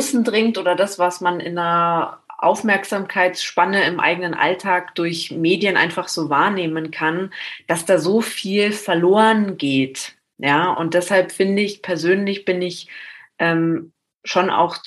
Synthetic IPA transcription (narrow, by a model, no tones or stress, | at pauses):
sn̩dʁɪŋtʔoːdɐdasv̥asmanɪ̰nɐʔa̰ʊfmɛɐkz̥aːmkʰaɪtsʃpanəɪmʔa̰ɪɡənənʔa̰ltʰaːkd̥ʊɐçmeːdjənʔa̰ɪnfaχz̥oːvaːɐneːmənkʰand̥asd̥aːzoːfiːlfɛɐloːʁənɡeːt | jaːʔʊ̰nt̚d̥ɛshalpfɪndəɪçpʰɛɐzøːnlɪçb̥ɪnɪçʔɛːm | ʃona̰ʊx